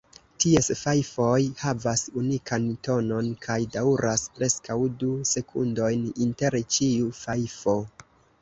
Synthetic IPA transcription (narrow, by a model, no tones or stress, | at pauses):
tie̞sfajfo̞jhavasunikʰanto̞no̞nkʰajdauɾʔaspɾʔe̞skawduse̞kʰṵndo̞jninte̞ɾt͡ʃiufajfo̞